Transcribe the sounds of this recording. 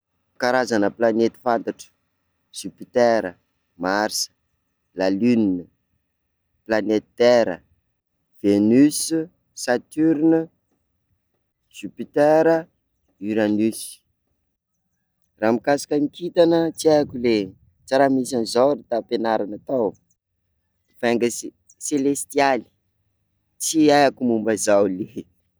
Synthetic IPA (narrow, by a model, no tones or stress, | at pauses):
kaɾazanəplanet̪i̥fant̪aʈ͡ʂə̥ | z̥ypit̪ɛɾə | maɾsə̥ | lalyninə | planet̪t̪ɛɾə̰ | v̥enys | sat̪yɾnə | sypit̪ɛeɾə | yɾanys | ramikasḁkəŋikʰit̪anət͡siajakule | t͡saɾamisanzaɾit̪apenaɾanat̪aw | vɛŋɡəs | selest̪iali̥ | t͡siajakumumbazawle